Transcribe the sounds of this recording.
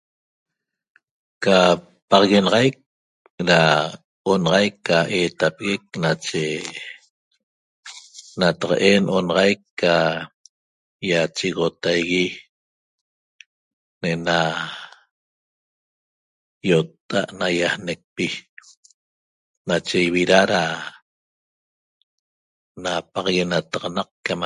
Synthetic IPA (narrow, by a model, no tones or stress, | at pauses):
ka | pɑʁɑɣenɑʁajk̚ | ɾa | onɑʁɑjkːaʔeːt̪apeɣek̚nat͡ʃe | nat̪ɑqɑ̰ʔenʔonɑʁɑjkːa | jat͡ʃiɣot̪ajɣi | nʔena | jot̪ːa̰ʔnajahnek̚pi | nat͡ʃejβiɾaɾa | napɑqɣenat̪ɑʁɑnɑq̚kam